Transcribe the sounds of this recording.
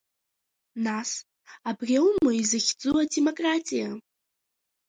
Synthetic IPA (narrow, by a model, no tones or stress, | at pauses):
nas | abrʲawmɨizɨχʲd͡zuademo̞kʼratʼija